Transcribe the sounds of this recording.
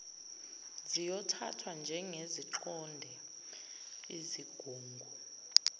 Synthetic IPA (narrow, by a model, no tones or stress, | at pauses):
zijɔtʰa̰tʰwand͡ʒʱɛŋeziǁɔndʱɛ | iziɡ̥ʱuːŋɡʱu